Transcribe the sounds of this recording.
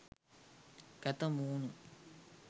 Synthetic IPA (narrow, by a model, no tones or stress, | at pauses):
kɐt̪ɐmuːnu